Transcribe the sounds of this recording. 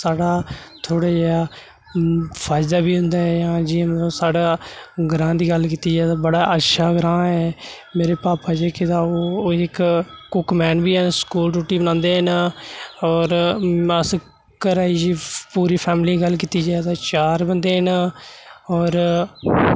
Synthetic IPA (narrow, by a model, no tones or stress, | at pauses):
saːɽaːt̪ʰoːɽaːd͡ʒaː | pʰaːɪd̪aːbiːɦʊ̃nd̪aːɛːjãːd͡ʒĩməõːsaːɽaːɡɾãːd̪iːɡəlkiːt̪iːd͡ʒaːɛt̪aːbəɽaːʔətːʃʰaːɡɾãːɛː | meːɾeːpaːpaːd͡ʒeːkɪt̪aːoːɪkkʊkmɛːnbiːnskuːlɖuːʈiːbənãːnd̪eːɦən | ɔːɾəs | kəɾaːiːd͡ʒiːpuːɾiːpʰɛːmliːɡəlkiːt̪iːd͡ʒaːt̪aːt͡ʃaːɾbənd̪eːɦən | ɔːɾ